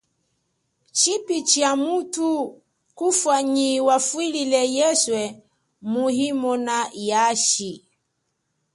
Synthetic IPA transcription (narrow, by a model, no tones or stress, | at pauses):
t͡ʃipit͡ʃiamutu | kufwaɲiwafwililɛjɛswɛ | muhimɔnajaʃi